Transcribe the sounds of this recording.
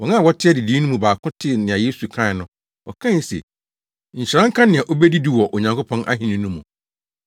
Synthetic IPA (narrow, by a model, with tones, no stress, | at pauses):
wɔ˨nã˦˨wɔ˦tʰɪ˦ɛ˦dɪ˨diː˦nũ˦mũ˨baː˨kʰʊ̃˦tʰɪ˦˨nɪ̃˨a˨jeː˦su˨kʰã˦ɪ˨nʊ̃˦ | wɔ̰˨kʰã˦˨˦sɛ̰˨ | ɲ̩˨ɕi˨ɾã˦ŋ̩˦kʰã˦nɪ̃˨a˨ʔo˦bɛ˦di˦di˦wɔ˨ʔo˨ɲã˨ŋko˦pʰɔ̃˦nʔa̰˦ɦĩ˨nɪ̃˦nũ˦mũ˨